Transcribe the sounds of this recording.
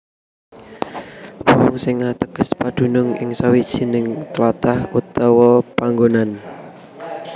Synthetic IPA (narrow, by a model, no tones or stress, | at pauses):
wɔɔŋsɪŋat̪əɡ̥əspad̪̥ṳnʊŋɪ̰ŋsawid̥ʒ̥i̤nɪŋt̪lɔt̪ahut̪ɔwɔpaŋɡonan